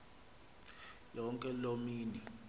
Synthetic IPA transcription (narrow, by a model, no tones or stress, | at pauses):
jɔŋkʼɛlomiːni